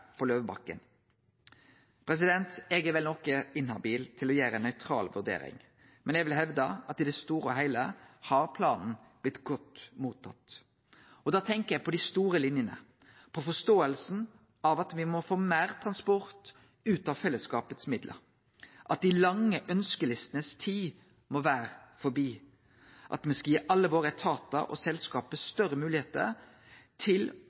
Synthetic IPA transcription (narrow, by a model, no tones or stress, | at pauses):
pʰɔløːʋbɑ̰kːə̰n | pʰɾɛs̬ɪd̪ɛnt̪ɛɡəʋɛlnɔkːəɪnhɑbiːlt̪ʰɪlɔjæːɾənːœʏt̪ʰɾɑ̰ːlʋʉʁd̪ḛːɾɪ̰ŋ | mɛnɛɡʋɪlɦɛʋd̪ɑɑt̪ɪd̪ɛst̪uːɾəɔɦæɪləhɑʁpʰlɑːnn̩ | b̥lɪt̪ːɡɔt̪muːt̪ʰːɑ̰t̪ | ɔd̪ɑːt̪ʰɛŋkəʁɛɡpʰɔd̪ɪst̪uːɾəlɪnjənə̰ | pʰɔfɔst̪oːəlsn̩ | ɑʋɑt̪ʋɪmɔfoːmæːʁt̪ʰɾɑnspɔɾt̪ | ʉːt̪ɑʋfɛlːəskɑːpət̪smɪd̪lʔə̰ɾ | ʔɑt̪̚d̪ɪlɑŋːəʔœnskəlɪst̪ənəst̪ʰiː | mɔʋæːɾəfɔbiː | ʔɑ̰t̪mɛskɑjiːʔɑlːəʋoːɾət̪ʰɑt̪ə̰ʔɔ̰sɛlskɑːpəst̪œɾəmʉːlɪheːt̪ə̰ɾ | t̪ʰɪl